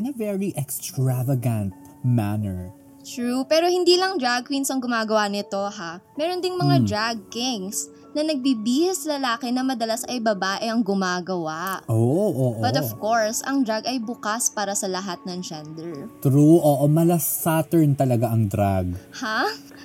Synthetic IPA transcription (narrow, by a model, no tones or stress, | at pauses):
ʔɪnɐvɛɹiʔɛkst̪ɹavɐɡɐ̃nt̪̚ | manɛɹ | t̪ɹupɛːɾo̞hɪnd̪iːlɐŋd̪ɾaɡ̚winsɐŋɡʊmaːɡɐwanɪt̪o̞ɦamɛːɾond̪ɪŋmɐŋad̪ɹaɡ̚kɪŋs | nɐnɐɡ̚biːbiːhɐslɐlaːkɪnɐmɐd̪ɐlasʔɐjbɐbaːʔɛʔɐŋɡʊmaːɡɐwaʔʔoʔoʔoːʔobɐt̪ovko̞ɹsʔɐŋd̪ɾaɡɐjbukaspaːɾɐsɐlɐɦat̪̚nɐŋd͡ʒɛnd̪ɛɹt̪ɾuʔoːʔomɐlɐsat̪ɛɹnt̪ɐlɐɡaʔɐŋd̪ɾaɡ̚ha